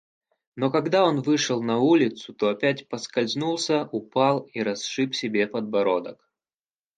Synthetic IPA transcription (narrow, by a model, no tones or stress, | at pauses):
no̞kɐɡd̪ao̞nvɨʂəlˠnɐulʲɪt̪sʊt̪o̞ɐpʲætʲpəskɐlʲzʲnulˠsʲəʔʊpalˠiɾɐsʂɨpsʲɪbʲe̞pɐd̪̚bɐɾo̞d̪ək